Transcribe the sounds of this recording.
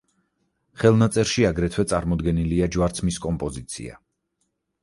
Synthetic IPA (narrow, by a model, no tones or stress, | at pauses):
χɛlˠnat̪sʼɛɾʃiaɡɾɛt̪ʰwɛt̪sʼaɾmɔd̪ɡɛniliad͡ʒwaɾt̪sʰmiskʼɔmpʼɔzit̪sʰḭa̰